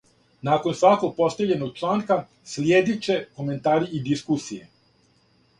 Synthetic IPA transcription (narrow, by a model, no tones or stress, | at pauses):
naːko̞nsʋako̞ɡ̚po̞st̪eʎe̞noɡ̚t͡ʃlˠaːŋka | slʲjeːd̪it͡ɕe̞ko̞me̞nt̪aːɾiid̪iskusijḛ